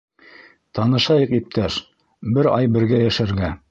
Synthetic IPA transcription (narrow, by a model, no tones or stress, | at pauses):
t̪ɑnɤ̆ʃɑjɤqip̚t̪ʰæʃ | bɘɾɑ̰jbɘ̆ɾɡæjæʃæɾɡæ